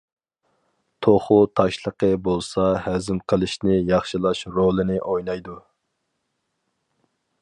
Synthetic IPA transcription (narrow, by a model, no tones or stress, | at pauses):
t̪ʰoχʊt̪ʰɑʃlˠəqəbolˠsɑhæzɪmqʰəlˠɨʃnɪjɑχʃilˠɑʃɾolˠɨnɪʔojnɑjd̪u